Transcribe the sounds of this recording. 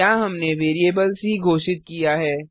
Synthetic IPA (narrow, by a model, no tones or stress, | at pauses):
aːɦɐmneʋeːɾieːbəlsiɡʱoːʃɪt̪̚kijaɦɛː